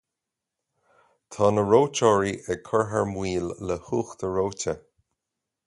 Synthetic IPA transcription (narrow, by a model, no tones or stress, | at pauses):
t̪ʰɑːnəɹowt͡ʃɔːɹiʔəkʰəɹɦəɹmwiːlːəhuːxt̪əɹowtʰə